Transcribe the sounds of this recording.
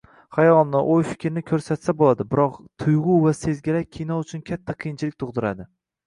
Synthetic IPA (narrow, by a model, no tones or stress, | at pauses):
χajɒlˠnɪʔojfɪ̥kʲʰɾɪnɪkʲʰɵɾsat̪sabolˠad̪ɪbɪɾɒqt̪ʰʊjʁʊvase̞zɡʲɪlakʲʰijnɒʊt͡ʃʰʊnkʲʰat̪ʰːaqʰijɪnt͡ʃʰɪlɪkʲt̪ʰʊʁd̪ɪɾa̰d̪ɪ